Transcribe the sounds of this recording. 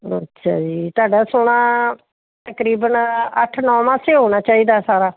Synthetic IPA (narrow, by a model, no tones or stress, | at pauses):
ə̰tːʃʰa̰ːd͡ʒiːt̪aːɖaːsʊɽaː | t̪əkɾiːbənəʈʰnɔ̃ːmãːseːɦoːɽ̃aːt͡ʃaːiːd̪aːsaːɾaː